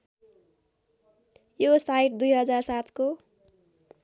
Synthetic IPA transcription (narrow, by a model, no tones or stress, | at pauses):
josajʈ̚d̪ujɦʌd͡zarsat̪ʰko